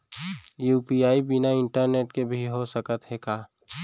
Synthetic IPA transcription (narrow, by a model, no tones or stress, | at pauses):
juːpiaːibɪnaɪ̃ɳʈəɾneːʈkebʱiɦosəkət̪ɦekaː